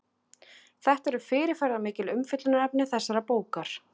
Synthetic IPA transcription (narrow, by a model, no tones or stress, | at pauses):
θɛht̪ɛɾʏfɪːɾɪɾ̥fajɾðamɪːcɪlʏmfɪt̪lʏnaɛp̚nɪθɛsːaɾapoːwkaɾ̥